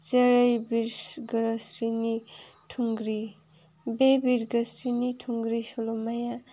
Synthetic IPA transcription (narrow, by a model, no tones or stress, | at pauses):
t͡seɾʌjbiɾɡɾsɾinitʰuŋɡɾi | bebiɾɡəsɾinitʰuŋɡɾisolomaja